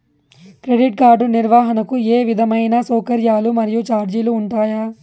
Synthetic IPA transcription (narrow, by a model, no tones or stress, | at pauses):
kɾeɖiʈ̚ɡaːɾɖuniɾʋaːɦɐnɐkueːʋid̪ʱɐmɐjnɐsɔːkɐɾjaːlumɐɾijut͡ʃaːɾd͡ʒiluːɳʈaːja